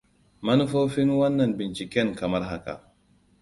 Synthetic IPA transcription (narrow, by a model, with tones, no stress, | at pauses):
mɐ˦nu˦foː˦fi˦nwɐ˦nːɐ˨nbɪ˨nt͡ʃi˨kʲɛ˦ŋkɐ˨mɐ˦ɾɦa˦ka̰˨